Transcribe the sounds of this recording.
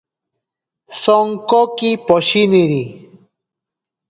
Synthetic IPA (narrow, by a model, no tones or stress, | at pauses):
sɔŋkɔkipɔɕiniɾi